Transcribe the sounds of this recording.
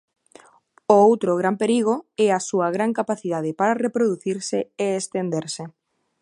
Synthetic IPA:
oowt̪ɾoɣ̞ɾampeɾiɣ̞oɛasuɐɣɾaŋkapaθiðað̞ɪpaɾarepɾoðuθiɾsɪeːst̪end̪eɾsɪ

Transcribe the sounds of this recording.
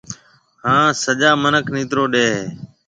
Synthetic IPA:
hãːsəʄaːmənəkʰniːt̪ɾoːɗeːɦeː

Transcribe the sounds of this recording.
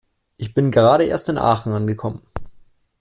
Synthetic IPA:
ʔɪçb̥ɪnɡəʁaːɾəʔḛːɐstɪnʔa̰ːχn̩ʔanɡəkʰɔmən

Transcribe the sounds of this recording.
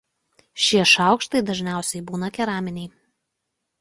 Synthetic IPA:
ʃʲiɛʃɑˑʊkʃt̪ɐɪd̪ɐʒʲnʲæˑʊsʲɛɪbuːnɐkʲɛɾɑːmʲɪnʲɛɪ

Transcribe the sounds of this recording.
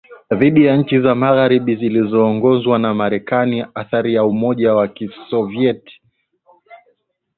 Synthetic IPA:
ðiɗijaɲ̩t͡ʃizamaɣaɾiɓizilizɔːŋɡɔzwanamaɾɛkaniaθaɾijaumɔʄawakisɔviɛti̥

